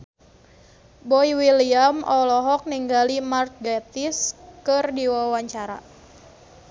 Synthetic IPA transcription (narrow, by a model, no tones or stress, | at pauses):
bɔiwiliamɔlɔɦɔk̚niŋɡalimart̚ɡat̪iskɨrdiwawaɲt͡ʃaɾa̰